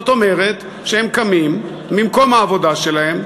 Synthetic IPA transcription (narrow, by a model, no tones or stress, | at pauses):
ot̪o̞me̞ʁet̪ | ʃehemkamimː | imko̞mhaːvo̞d̪aʃe̞lahe̞m